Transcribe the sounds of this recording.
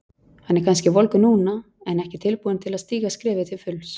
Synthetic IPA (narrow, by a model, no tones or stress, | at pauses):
hanːɛɾkʰanscɪvɔlkʏnuːna | ɛnɛhcɪt̪ʰɪlpuːðɪnt̪ʰɪlaðst̪iːɣaskɾɪːvɪt̪ʰɪlfʏls